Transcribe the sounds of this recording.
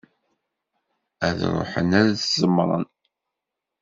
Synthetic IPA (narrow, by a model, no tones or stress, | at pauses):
æðɾˤo̰ħə̰næɾæθzəmɾˤɑ̰n